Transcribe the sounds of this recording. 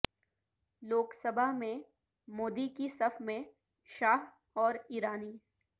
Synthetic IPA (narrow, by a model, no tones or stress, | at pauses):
loːksəbʱaɦmẽ | moːd̪ikisɐfmẽ | ʃaːɦ | ɔːɾiːɾaːniː